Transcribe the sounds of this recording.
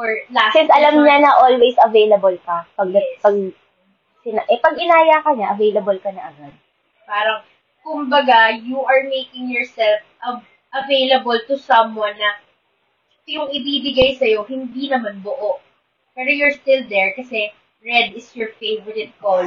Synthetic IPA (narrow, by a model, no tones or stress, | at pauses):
ɔɹasɛnsʔɐlɐmɲanɐʔolwejsɐvejlɐbɐlkɐpɐɡ̚pɐɡ | sɪnaʔɛpɐɡɪnaːjakɐɲaʔɐvejlɐbɐlkɐnɐʔɐɡad̪̚ | paːɾɐŋ | kʊmbɐɡajuʔɐɹmejkɪ̃ŋjɔɹsɛlfɐ | ʔɐvejlɐbɐlt̪ʊsɐ̃mwɐ̃nːɐ | jʊŋɪbibɪɡajsɐjo̞ɦɪnd̪inɐmanbʊʔoʔ | pɛːɾojʊɹst̪ɪld̪ɛɹkɐsɛ | ɹɛd̪ɪsjɔɹfeɪvɔɹɪt̪̚kol